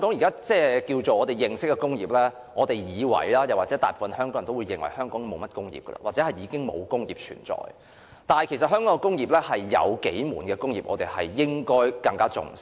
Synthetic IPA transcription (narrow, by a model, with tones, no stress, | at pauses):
ŋkɔ˨˥ŋji˨kaː˥t͡sɛː˥˩kiː˧wt͡so˨wɔː˨˧t̪e˨˩jːɪ˨ŋsɪ˥k̚ːɛ˧kʊ˥ŋjiː˨p̚lɛ˥ | ŋɔː˨˧t̪e˨jjiː˨˧wɐ̰˨˩jlaː˥jɐ˨waː˨˩t͡sɛ˨˦˥t̪aː˨tpuː˨˧fɐ˧nhœː˥ŋkɔ˨˥ŋɐ˨˩t̪o˥wuː˨˧jɪ˨ŋwɐ˨˩jhœː˥ŋkɔː˨˥ŋmo˨˧wmɐ˥t̚kʊ˥ŋjḭː˨p̚kə̰˧la̰˧waː˨t͡sɛ˨˧˥ɐ˨˩jiː˨˧kɪ˥ŋmo̰˨˧wkʊ˥ŋjḭː˨p̚t͡ʃʰy̰ː˨˩nt͡sɔ̰ː˨j | t̪aː˨nhɐ˨jkʰe˨˩sɐ˨t̚ɦœː˥ŋkɔː˨˦˥ŋɛ˧kʊ˥ŋjiː˨˩p̚lɛː˥hɐ˨jːɐ̰˨˧wke˨˥jmuː˨˩nkɛː˧kʊ˥ŋjiː˨p̚ʔɔː˨˧t̪e˨˩jhɐ̰˨jːɪ˥ŋkɔː˥jkɐ˧ŋkaː˥t͡sʊ̰˨ŋ